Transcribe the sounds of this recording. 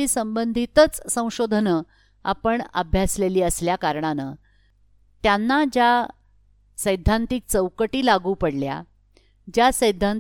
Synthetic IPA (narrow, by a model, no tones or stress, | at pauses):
iːsəmbənd̪ʱit̪ət͡ssə̃w̃ɕod̪ʱnə | a̰pəɳə̰bʱjasleliːəsljakaɾɳanə | t̪janːad͡ʑa | səjd̪ʱːãnt̪iːk̚t͡səwkəʈiːlaɡuːpəɽlja̰ | d͡ʑjasəjd̪ʱːan